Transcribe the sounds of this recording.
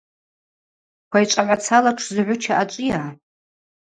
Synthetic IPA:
kʷʰajt͡ʃʷʼaʕʷat͡sʰalaʈ͡ʂʰzɨʕʷʊt͡ʃʰaʔat͡ʃʷʼɪjaː

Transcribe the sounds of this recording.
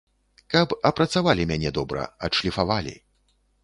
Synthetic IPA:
kɐpɐpɾɐt̪savalʲimʲanʲɛd̪ɔbɾɐ̰ɐʂlʲifavalʲḭ

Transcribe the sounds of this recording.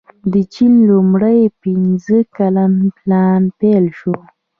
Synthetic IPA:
d̪ət͡ʃinlʊmɽajpinzəkalanplɑnpelʃo

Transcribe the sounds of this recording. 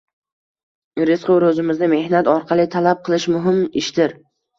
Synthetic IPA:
ɾɪsqoɾɵzɪmɪznɪme̞hnat̪ɒɾqʰɑlˠɪt̪ʰalap̚qʰɨlˠɪʃmʊɦɪmɪʃd̪ɪɾ

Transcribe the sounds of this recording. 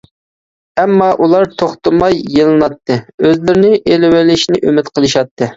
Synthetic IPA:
ɛmːɑʔulˠɑɾt̪ʰoχt̪ɨmɑjːelˠɨnɑt̪ʰːɨøzlɪɾɪnɪʔelɪwɪlɪʃnɪʔømɪt̪qʰəlˠɨʃɑt̪ʰːɨ

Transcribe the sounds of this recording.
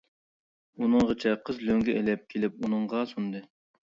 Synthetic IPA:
unɨŋʁət͡ʃʰɛqʰəzløŋɡʲɛʔelɛp̚kʲʰelɪp̚unɨŋʁɑsund̪ɨ

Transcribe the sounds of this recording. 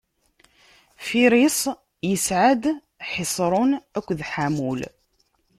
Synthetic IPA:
fiɾisˤ | jəsʕad̪ | ħɪsˤɾˤʊnækʷːðħamul

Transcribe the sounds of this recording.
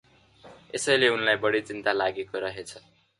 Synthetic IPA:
ḛsʌjleunlajbʌɽit͡sint̪alaɡekoɾʌɦet͡sʰʌ

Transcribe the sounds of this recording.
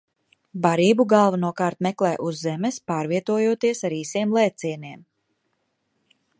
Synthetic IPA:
baɾiːbuɡalˠvanuɔkaːɾt̪mɛklˠɛːʔuzːɛmespaːɾviɛt̪uɔjuɔt̪iɛsaɾiːsiɛmlˠɛːt̪siɛniɛm

